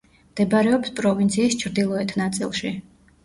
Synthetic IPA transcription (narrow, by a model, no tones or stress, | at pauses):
md̪̥ɛbaɾɛɔpspʼɾɔvint̪sʰiːst͡ʃʰɾd̪ilˠɔɛt̪ʰnat̪sʼḭlˠʃi